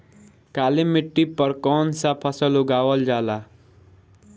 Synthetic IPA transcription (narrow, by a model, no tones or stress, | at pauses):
kaːlimɪʈːipəɾkɔːnsapʰəsəlʊɡaːwəld͡ʒaːlaː